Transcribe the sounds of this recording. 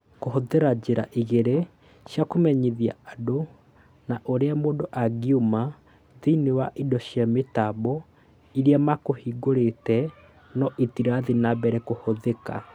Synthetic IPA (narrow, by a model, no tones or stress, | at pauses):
koɦoðeɾad͡ʑeɾa̰ʔiɣeɾe | ɕjakomɛɲeðia̰ado | naʔoɾeamoːndoʔaɡiuma | ðinewaʔidɔʃjametaβɔ | iɾiamakohiɡoɾetɛ | nɔʔetiɾaðinabɛɾɛkohoðeka̰